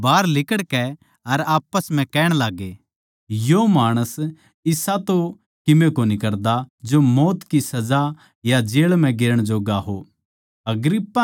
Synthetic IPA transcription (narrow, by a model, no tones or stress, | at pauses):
baːɾlɪkəɽkɛ | ɐɾaːpəsm̤ɛ̃kɛːɽ̃laːɡeː | jomaːɽ̃əs | ɪsat̪o | kɪmekoːnikɐɾd̪ad͡ʒomɔːt̪kisɐd͡ʒa | jad͡ʒeːɭm̤ɛ̃ɡɪɾəɽ̃d͡ʒoːɡaɦoː | ɐɡɾɪpːa